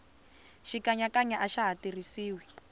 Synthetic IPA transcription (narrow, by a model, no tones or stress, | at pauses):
ʃikaɲakaɲaʔaʃaɦatirisiːwi